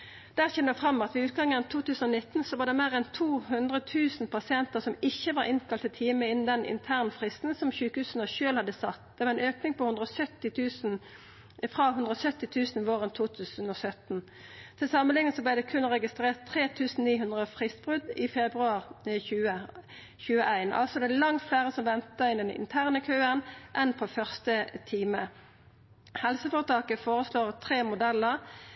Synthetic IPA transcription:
d̪̥æːʁçɛnəʋɛfʁɑmːɑt̪ʋɪʉːt̪̚ɡɑŋːəɛnt̪ʰuːt̪ʉːsən̩ɔnɪt̪ːnsɔʋɑːd̪ɛmeːʁɛnt̪ʰuːhʉnd̪ʁət̪ʰʉːsn̩pʰɑsɪɛnt̪əʁsɔmɪçːəʋɑɾɪnkʰɑlt̪ɪt̪ʰiːməɪnn̩d̪ɛnʔɪ̰nt̪ʰæːʁnfʁɪst̪n̩sɔmçʉːkəhʉːsənəʃøːlhɑd̪əsɑt̪ːd̪̥ɛʋɑʁɛnøːknɪŋpɔhʉnd̪ʁɔsœt̪ːɪt̪ʰʉːsn̩ | fʁɑhʉnd̪ʁəɔsœt̪ːɪt̪ʰʉːsn̩ʋoːʁənt̪ʰuːt̪ʰʉːsənɔsœt̪n | t̪ʰɪlsɑmənlɪŋːəsɔblæɪd̪ɛkʰʉnʁɛɡɪst̪ʁeːʁt̪ʰːʁeːt̪ʰʉːsn̩niːɦʉnd̪ʁəfʁɪst̪̚bʁʉd̪ɪfɛbʁʉɑːʁçʉːə | çʉːəʔæɪnʔɑ̰lsɔd̪ælɑŋt̪flæːʁəsɔmʋɛnt̪əɪnd̪ɛnɪ̰nt̪ʰæːʁnəkʰøːənʔɛnpʰɔfœʁst̪ət̪ʰiːmə | hɛlsəfɔːʁt̪ʰɑːkəfoːʁəsloːʁt̪ʰʁeːmʊd̪ɛlːəʁ

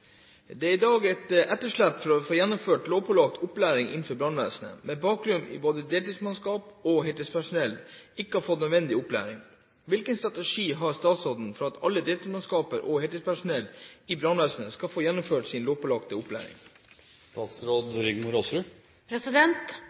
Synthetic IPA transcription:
d̪ɛæɾɪd̪ɑːɡɛt̪ʔɛt̪ːəʂɭæpːfɔɾɔfoːjɛnːʊmføːʈloːʋpʰɔlɑk̚t̪ʰʊplæːɾɪŋʔɪ̰nn̩fɔɾbɾɑnʋæ̰sənə̰mɛbɑːkɾʉnɪ̰boːd̪əd̪eːlt̪ɪsmɑnskɑːpɔhɛt̪əspʰæʂʊnɛlːɪkːəhɑɾfɔt̪ːnœd̪ʋɛnd̪ɪʊplæ̰ːɾɪŋ | ʋɪlkənst̪ɾɑt̪ɛʂiːɦɑɾst̪ɑːt̪sɾoːd̪n̩fɔɾɑt̪ʰɑlːəd̪eːlt̪ɪsmɑnskɑːpəɾʔɔhɛt̪əspæʂʊnɛlːɪbɾɑnʋæːsnəskɑfoːjɛnːʊmføːʈsɪnloːʋpɔlɑkt̪əʊplæ̰ːɾɪ̰ŋ | st̪ɑːt̪sɾoːd̪ɾʏɡmʊɾosɾʉ | pʰɾɛsɪd̪ɛnt̪

